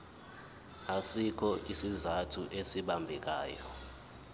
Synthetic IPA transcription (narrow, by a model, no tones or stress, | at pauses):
asikʰɔʔisizatʰuʔesiɓambʱɛk̬aːjɔ